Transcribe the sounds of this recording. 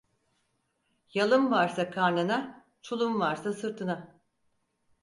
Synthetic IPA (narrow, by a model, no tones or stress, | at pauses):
jalˠɯmvaɾsakʰaɾnɯna | t͡ʃʰulˠumvaɾsasɯɾt̪ʰɯna